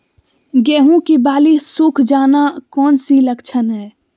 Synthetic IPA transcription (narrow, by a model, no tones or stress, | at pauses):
ɡɛːɦũkibaːlisukʰd͡ʒaːnakɔːnsiləkt͡ʃʰənɦɛː